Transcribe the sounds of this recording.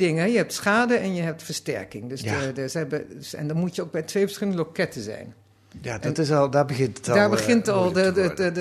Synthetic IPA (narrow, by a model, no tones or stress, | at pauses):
dɪŋəɛjəhɛp̚tsχaːdəɛnjəɦɛp̚tfəɹstɛ̰ɹkɪŋdøssəɛbəɛ̰ndɔnmutjəoːk̚bɛjtʰʋejfə̥ɹsχɪlˠəndəlokɛtəzɛ̰jn | jadɔɪslˠdaːɹbəɣɪntətdaːɹbəɣɪntɔlˠə